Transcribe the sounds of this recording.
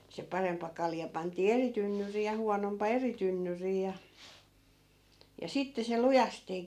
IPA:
se pɑrempˑɑ kɑljɑ pɑntˑiː eri tynːyriː jɑ huɑnompɑ eri tynːyriː jɑ jɑ sitːe se lujɑsteː

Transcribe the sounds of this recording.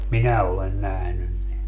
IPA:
minæ olen næhnyn ne

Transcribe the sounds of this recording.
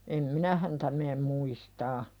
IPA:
em minæ hæntæ meːm muistɑː

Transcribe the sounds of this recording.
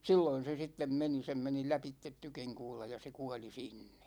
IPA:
silːoin̞ se sitːem meni sem meni læpitːet tykiŋkuːlɑ jɑ se kuɑli sinːe̥

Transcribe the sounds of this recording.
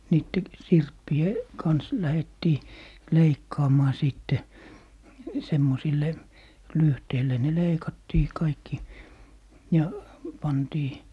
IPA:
niːtːe sirpːie kɑns læhetːiː leikːɑːmɑː siˑtːe semːosilːe lyhteilːe ne leikɑtːiː kɑikːi jɑ pɑntiː

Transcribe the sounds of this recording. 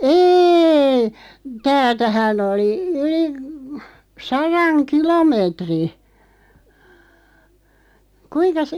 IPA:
eːi tæːltæhæn oli yli sɑrɑŋ kilomeːtri kuinkɑs

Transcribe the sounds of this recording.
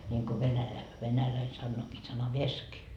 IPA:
nʲiŋko ʋenælæ ʋenælæi sɑnːoːkiː sɑnɑʋesk

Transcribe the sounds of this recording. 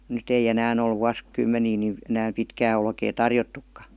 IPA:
nyt ei enæːn ol ʋuɑs kymːeniː ni enæːm pitkæː olkeː tɑrjotːukːɑ

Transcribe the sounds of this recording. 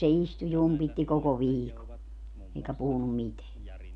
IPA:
se istu jumpitːi koko ʋiːko eikæ puhunum miteæ

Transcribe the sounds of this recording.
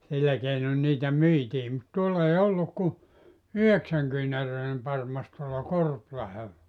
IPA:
silːæ keinon niːtæ myitiː mut tuolː ei olːuk ku yheksæŋkyːnærøinem pɑrmɑs tuolːɑ korplɑhelːɑ

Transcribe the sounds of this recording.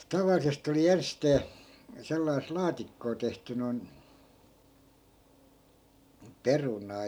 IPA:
tɑʋɑlːisest oli ensteː selːɑis lɑːtikːoː tehty noi̯n perunɑː

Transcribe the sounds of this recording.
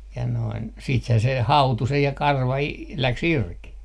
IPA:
jɑ noin siːthæː se hɑutu se jɑ kɑrʋɑ i læks irki

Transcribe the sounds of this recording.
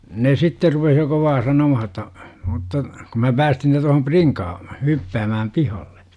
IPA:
ne sitːer rupeh jo koʋɑː sɑnomɑhɑ ə̆tːɑ mutːɑ kum mæ pæːstin ne tohom priŋkɑː hypːæːmæːm pihɑlːe

